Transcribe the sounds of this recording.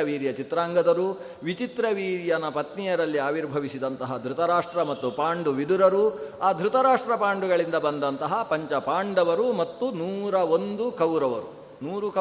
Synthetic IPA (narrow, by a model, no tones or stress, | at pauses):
ɐʋiːɾjɐt͡ʃit̪ɾaːŋɡɐd̪ɐɾu | ʋit͡ʃit̪ɾɐʋiːɾjɐnɐpɐt̪nijɐɾɐlːiaːʋiɾbʱɐʋisid̪ɐnt̪ɐɦɐd̪ʱɾut̪ɐɾaːʂʈɾɐmɐt̪ːupaːɳɖuʋid̪uɾɐɾuaːd̪ʱɾut̪ɐɾaːʂʈɾɐpaːɳɖuɡɐɭind̪ɐbɐnd̪ɐnt̪ɐɦɐpɐɲt͡ʃɐpaːɳɖɐʋɐɾumɐt̪ːunuːɾɐond̪ukɐwɾɐʋɐɾu | nuːɾukɐ